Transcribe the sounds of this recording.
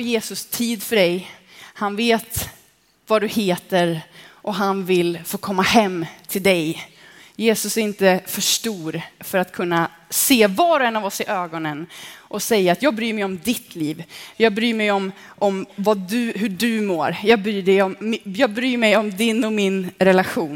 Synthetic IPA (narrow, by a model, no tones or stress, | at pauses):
jeːsɵst̪ʰiːd̪fœɖɛj | hanveːt̪ | vad̪ɵheːt̪əɾʔɔɦanvɪlfoːkʰɔmːahɛmːt̪ʰɪld̪ɛjjeːsɵsɪnt̪əfœʂʈuːɾfœɾat̪kʰɵnːa | seːvɑːɾɛnːavɔsɪʔøːɡɔnənʔɔsɛjːaːt̪jɑːɡ̚bɾyːɾmɛjɔmd̪ɪt̪ʰliːvjɑːɡ̚bɾyːɾmɛjɔm | ʔɔmvad̪ɵɦɵɖɵmoːɾjɑːɡ̚bɾyːɖɛjɔmjɑːɡ̚bɾyːmɛjɔmd̪ɪnːɔmɪnɾɛlaɧuːn